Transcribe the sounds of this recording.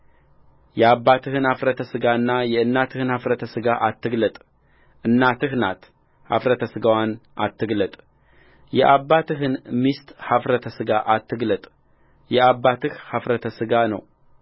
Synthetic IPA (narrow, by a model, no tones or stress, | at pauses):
jɛabːat̪ʰɨhɨnhafɾət̪ʰəsɨɡaɨnːajɛɨnːat̪ʰɨhɨnhafɾət̪ʰəsɨɡaʔat̪ːɨɡlət̪ʼ | ʔɨnːat̪ʰɨhna̰t̪ | ha̰fɾət̪ʰəsɨɡawanʔa̰t̪ːɨɡlət̪ʼ | jɛʔabːat̪ʰɨɦɨnmist̪hafɾət̪ʰəsɨɡaʔat̪ːɨɡlət̪ʼ | jɛabːat̪ʰɨhhafɾət̪ʰəsɨɡanə̰w